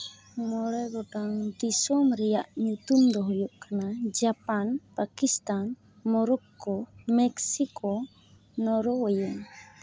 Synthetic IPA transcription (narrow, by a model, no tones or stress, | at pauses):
mɔɾeɡɔdaŋdisɔməɾijaʔɲut̪umd̪ɔɦɔjuʔkanad͡ʒapanpakist̪an | mɔɾɔkːɔmɛksiko | nɔɾɔwajɔŋ